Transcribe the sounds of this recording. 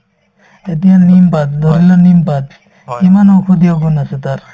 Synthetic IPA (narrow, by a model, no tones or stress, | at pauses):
et̪iãnimpat̪d̪ʱɔɾilɔnimpat̪ | kimanokʰud̪ijaɡunaset̪aɾ